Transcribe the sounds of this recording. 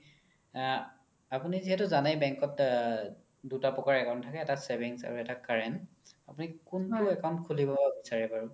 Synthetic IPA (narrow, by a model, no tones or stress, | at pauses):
apuniziɦɛtʊzanajbɛŋkɔt | dutapɔkaɹɛkaʊ̃ntʰakɛːtasɛbiŋsa̰ɹuɛtakaɹɛn | apunikunbaɹuɛkawʊ̃ntkʰulibababisaɹɛpaɹʊ